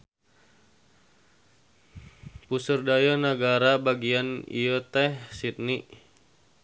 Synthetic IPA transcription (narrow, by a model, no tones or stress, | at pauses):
pusərdajanaɡaɾabaɡianḭjot̪ɛhsit̪̚niʔ